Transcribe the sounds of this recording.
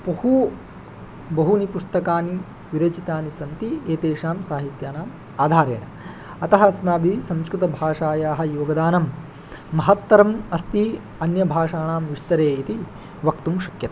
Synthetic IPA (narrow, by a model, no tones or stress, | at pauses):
pɐhu | bɐɦunipust̪ɐkaːni | ʋiɾɐt͡ʃit̪aːnisɐnt̪ieːt̪eːʂaːmsaːɦit̪jaːnaːm | aːd̪ʱaːɾeːɳɐ | ɐt̪ɐɦɐsmaːbʱisɐ̃mskɾut̪ɐbʱaːʂaːjaːɦɐ̆joːɡɐd̪aːnɐmː | ɐɦɐt̪ʋɐɾɐmɐst̪i | ɐnjɐbʱaːʂaːɳaːmʋiʂt̪ɐɾeːit̪i | ʋɐkt̪umʃɐkjɐt̪ɐ̥